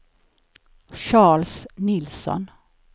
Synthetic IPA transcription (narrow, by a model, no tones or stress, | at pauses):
ɕɑːɭsnɪlsɔ̰n